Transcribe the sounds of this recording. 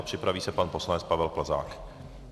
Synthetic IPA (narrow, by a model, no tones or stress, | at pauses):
pr̝̥ɪpɾaviːsɛpanposlanɛt͡spavɛlpl̩za̰ːk